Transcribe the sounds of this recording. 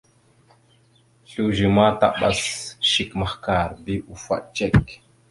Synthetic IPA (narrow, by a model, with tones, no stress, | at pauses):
ɬu˦ʒi˨ma˦ta̰˦ɓa̰˦sʃi˨kma˨hka˨ɾbi˦ʔu˨fa̰˨ʔt͡ʃe˦˨k